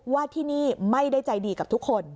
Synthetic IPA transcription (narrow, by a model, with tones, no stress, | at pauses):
waː˥˩t̪ʰiː˥˩niː˥˩ma˥˩jda˥˩jt͡ɕa˧jdiː˧ka˨˩t̪ʰu˦˥kʰːo˧n